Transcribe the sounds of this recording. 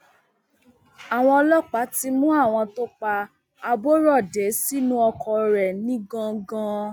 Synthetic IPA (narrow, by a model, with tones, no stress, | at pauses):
a˨w̃ɔ̃˧lɔ˦k͡pa˨˦ti˦mũ˦a˦˨w̃ɔ̃˧to˦k͡pa˧ | a˧bo˦ɾɔ˦˨de˨˦si˦nũ˦ɔ˧kʰɔ˨ɾɛ˨nĩ˦ɡã˧ɡã˦˧˦